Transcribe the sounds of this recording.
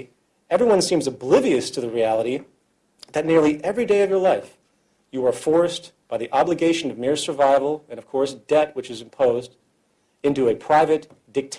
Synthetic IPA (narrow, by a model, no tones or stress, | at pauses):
ɛvɹiwʌ̃nsĩmzəblɪviɨstʰɨðɨɹiælˠəɾi | ðɨtⁿnɪɹlˠiʔɛvɹideɪʌvjə˞laɪf | jɨə˞fɔɹsb̥aɪðiʔɑbləɡeɪʃɨ̃nʌvmɪɹsə˞vaɪvl̩ˠɨ̃nʌv̥kʰɔɹsd̥ɛt̚wɨt͡ʃɨzɨ̃mpʰoʊzd | ɪ̃ntʉɨpʰɹ̥aɪvɨt | d̥ɨk̚tʰ